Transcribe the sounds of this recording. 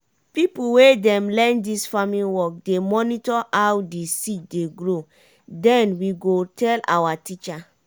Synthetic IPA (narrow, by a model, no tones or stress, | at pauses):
pipuwedɛ̃mlɛ̃ndisfamĩwɔk̚demɔnitɔʔawdisit̚deɡɹo | dɛ̃nwiɡotʰɛla̰watit͡ʃa